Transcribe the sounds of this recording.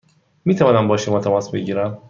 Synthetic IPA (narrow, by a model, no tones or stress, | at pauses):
miːt̪ʰævɒːnæmbɒːʃemɒt̪ʰæmɒːsbeɟiːɾæm